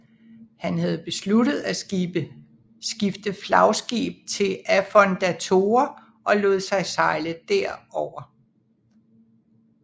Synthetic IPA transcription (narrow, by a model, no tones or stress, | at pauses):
hænhæð̞̩ˠb̥e̝sluɾ̥ð̞̩ˠæ | sɡ̥ifd̥əflɑ̈ʊsɡ̥ḭb̥̚t͡sʰe̝læfɒnd̥æt͡sʰo̝ːɐ | ʔɒ̽lɔ̽ːð̩ˠsɑ̈ɪsɑ̈ɪləd̥æɐ̰ɒʊ̰ɐ